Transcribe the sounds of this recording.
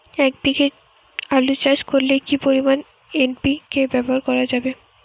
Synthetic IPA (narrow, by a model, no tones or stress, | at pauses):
ɛk̚dike | alut͡ɕaʃkoɾlekipoɾiman | enpikebɛboɦaɾkɔɾad͡ʑabe